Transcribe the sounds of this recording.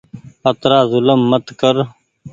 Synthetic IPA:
ət̪ɾaːzʊləmːət̪kəɾ

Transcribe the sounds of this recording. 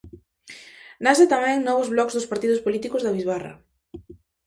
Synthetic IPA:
nasɪt̪amɛ̃ŋnɔβʊzβlɔkzðʊspaɾt̪iðʊspolit̪ikʊzðɐβizβarɐ̰

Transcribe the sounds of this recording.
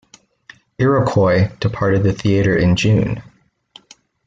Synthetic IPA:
ɛɹɨkʰɔɪd̥ɨpʰɑɹɾɨd̪̚ðɨθiɨɾə˞ʔɪ̃nd͡ʒʉ̃n

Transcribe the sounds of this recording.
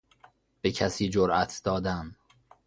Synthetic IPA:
b̥e̞cʰæsiːd͡ʒoɾʔæt̪ʰd̪̥ɒːd̪æm

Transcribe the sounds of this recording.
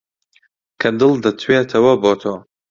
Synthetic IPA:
kʰɐd̪ɨlˠd̪ɐt̪ʰweːt̪ʰɐwɐbot̪ʰoː

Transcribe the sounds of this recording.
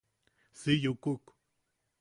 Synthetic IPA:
sijukuk

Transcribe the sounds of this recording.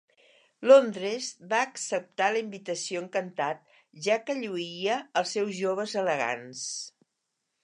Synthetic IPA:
lond̪ɾezβaəksəp̚t̪aləimbit̪əsioəŋkənt̪at̪̚ | ʒakəʎuiəəlˠsːɛwzʒoβəzələɣa̰ns

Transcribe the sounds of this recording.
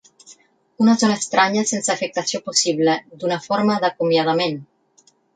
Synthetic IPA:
unazonaest̪ɾaɲasensːfek̚t̪asioposiβled̪unafoɾmaðakumjað̞amen

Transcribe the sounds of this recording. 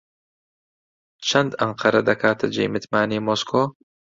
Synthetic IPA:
t͡ʃʰɐnd̪ɐɴqʰɐɾɐd̪ɐkʰaːt̪ʰɐd͡ʒḛːmɨt̪maːniːmoːskʰoː

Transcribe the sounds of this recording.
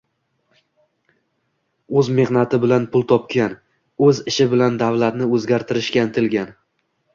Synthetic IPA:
ɵzme̞hnat̪ɪbɪlanpʰʊlˠt̪ʰɒp̚kʲan | ɵzɪʃɪbɪland̪avlat̪nɪɵzɡʲaɾt̪ʰɪɾɪʃkʲant̪ʰɪlɡʲan

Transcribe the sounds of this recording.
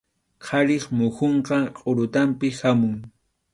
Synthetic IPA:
qʰɑɾɪχmʊxoɴqɑqʼoɾʊt̪ampɪhamʊŋ

